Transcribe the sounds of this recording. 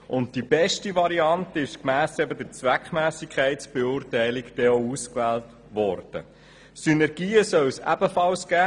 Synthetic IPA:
ʊnt̚d̥ibɛʃtivɑɾiɑntəɪʃkmæːsɛbədəɾt͡sʋækχmæːsikʰχæɪtsb̥ɛʊːrtæɪlɪkd̥ɛɔuskʋæːlt | ʋɔrd̥ə̰ | synɛɾɡ̥iːəsœwsæ̰bəfɑlsɡ̥æː

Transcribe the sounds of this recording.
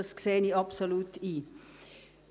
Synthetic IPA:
əskseːniɑpsolut̪ʰi

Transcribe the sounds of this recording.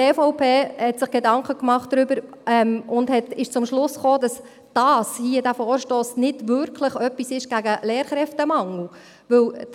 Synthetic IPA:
eːfɔʊpʰeːhɛtsɪχɡ̥edɑŋkχəkmɑχtd̥ɾʏbəɾ | ɛmʊndhɛtɪʃt͡sʊmʃlʊsχoːdɑs | d̥ɑːshiədæfɔːɾʃtoːsnɪdʋʏɾkʰləχœpːisɪʃɡ̥æɡəleːɾχɾɛftəmɑŋl̩ | ʋɵw

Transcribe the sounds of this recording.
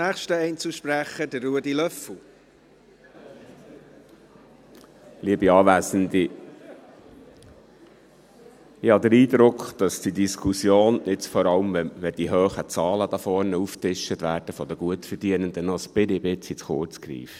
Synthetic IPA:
æːχʃtəɛɪnt͡suʃpɾæχəd̥əːuədilœfl̩ | liːəbiɑːʋæːsənd̪i | ɪhɑd̪əɾiːd̪ɾʊkχd̥ɑsd̥idiskʰusjoːnɪt͡sfɔɾɑlmɛʋɛd̥̪iɦøːχət͡sɑːləd̥̪ɑfɔɾnəuftɪʃətʋæːɾd̥əfɔd̥̪əɡ̥uətfəɾdiənənd̪ənɔsbɪdɪbɪt͡sit͡sχʊɾt͡skɾḭːf

